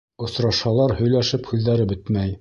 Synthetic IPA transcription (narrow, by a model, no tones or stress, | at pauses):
ŏsɾɑʃɑlˠɑɾhɵ̆jlæʃɘphʉld̪æɾɘbɘt̪mæj